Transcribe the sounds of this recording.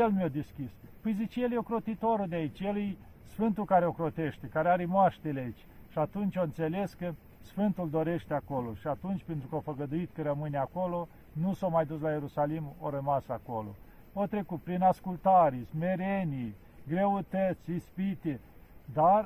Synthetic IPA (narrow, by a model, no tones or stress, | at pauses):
jelmod̪eskʲispɨjzit͡ʃjeljeokɾo̞t̪it̪oɾud̪eait͡ʃʲjelej | sfɨnt̪ukaɾeokɾot̪e̞ʃt̪ekaɾeaɾemoaʃt̪eleait͡ʃʲ | ʃiat̪unt͡ʃʲoɨnt̪se̞le̞skə | sfɨnt̪uld̪o̞ɾe̞ʃt̪eakoloʃiat̪unt͡ʃʲpent̪ɾukəofəɡəd̪uit̪kəɾəmɨneako̞lo̞ | nusowmajd̪us̬laje̞ɾusalimoɾəmasakolo̰ | ot̪ɾe̞kut̪̚pɾinaskult̪aɾesme̞ɾeni | ɡɾeut̪ət̪sʲispit̪ed̪ar